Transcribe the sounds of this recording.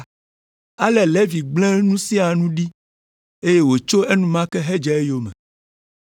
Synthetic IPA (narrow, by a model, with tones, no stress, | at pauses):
a˦lɛ˨lɛ˦vi˨ɡ͡blɛ̃˦nũ˦si˦a˨nũ˦ɖi˦ | e˦je˦wo˨t͡ʃo˦e˦nũ˦mã˦kɛ˦ɦe˦d͡ʒɛ˨e˦jo˨mɛ̰̃˨